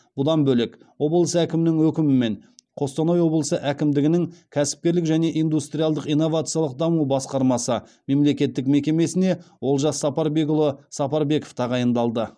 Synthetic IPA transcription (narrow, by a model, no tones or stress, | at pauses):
b̥ʊd̪ɑnbɵlɪkwo̞blˠəsəækʲɪmɪnɪŋwɵkʲɪmɪme̞ɴqʰo̞st̪ɑnojwo̞blˠəsəʔækʲɪmd̪ɪɡʲɪnɪŋkʲʰæsɪ̥p̚kʲe̞ɾlɪkʒæne̞ʔijnd̪ust̪ɾʲijalˠd̪əqijnːo̞vat̪sɨjɑlˠəq̚d̪ɑmubɑsqɑɾmɑsəme̞mle̞kʲe̞t̪ːɪk̚me̞kʲe̞me̞sɪne̞wʔo̞lˠʒɑsːɑpɑɾbe̞ɡʊlˠəsɑpɑɾbe̞ko̥ft̪ʰɑʁɑjənd̪ɑlˠd̪ə